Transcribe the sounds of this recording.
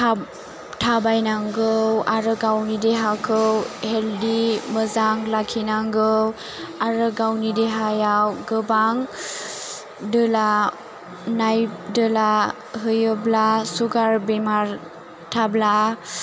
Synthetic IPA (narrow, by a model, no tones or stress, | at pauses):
ta | tʰabajnaŋɡɯwaɾɯɡawnideɦakʰɯwheldiməzaŋlakʰinaŋɡɯw | aɾɯɡawnideɦajawɡɯbaŋ | dɯla | najp̚dɯla | ɦɯjəblasuɡaɾbemaɾ | tʰabla